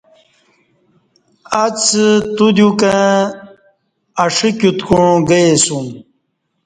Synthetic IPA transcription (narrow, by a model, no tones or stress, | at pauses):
at͡st̪ud̪jukã | ɐʂikjut̪kũɡəesum